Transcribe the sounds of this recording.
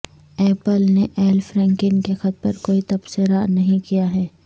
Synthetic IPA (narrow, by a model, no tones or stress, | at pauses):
ɛːpəlneʔɛːlfɾɛ̃ːŋkɪnkexɐt̪̚pɐɾkoːit̪ɐbsɪɾanɐɦĩkijaɦɛː